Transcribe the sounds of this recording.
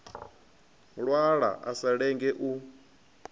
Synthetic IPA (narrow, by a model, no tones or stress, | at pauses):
ɺwaɺa̰ʔasaɺɛŋɡɛʔu